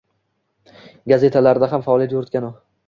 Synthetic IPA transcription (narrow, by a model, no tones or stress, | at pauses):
ɡaze̞t̪ʰalaɾɪd̪aɦamfaːlˠijat̪jʊɾɪt̪̚kʲano